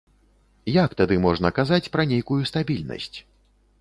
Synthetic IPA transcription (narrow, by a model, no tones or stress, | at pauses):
jakt̪ad̪ɨmɔʐnɐkazat͡sʲpɾɐnʲejkujust̪abʲilʲnɐ̰sʲt͡sʲ